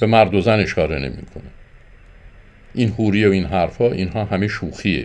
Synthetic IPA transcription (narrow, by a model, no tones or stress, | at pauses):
b̥e̞mæɾd̪ozæne̞ʃkɒːɾe̞ne̞̰mḭkʰo̞̰ne | ʔiːnhuːɾijeoiːnɦæɾfɒːʔinɦɒːɦæmeʃuːxiḛ